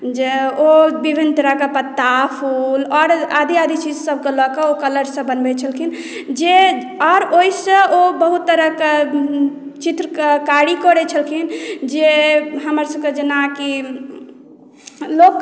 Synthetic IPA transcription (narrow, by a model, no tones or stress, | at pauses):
d͡ʒeobibʱinːt̪əɾəkepət̪ːapʰulɔːɾad̪iad̪ʱit͡ʃid͡ʒsəb̚kelɔkəokələɾsə̃bənbɛt͡ʃʰəlkʰin | d͡ʒe | ɔɾoisə̃ʔobəɦut̪ːəɾəke | t͡ʃit̪ɾəkkaɾikɔɾɛt͡ʃʰəlkʰind͡ʒeɦəməɾsəb̚ked͡ʒenaki | lokː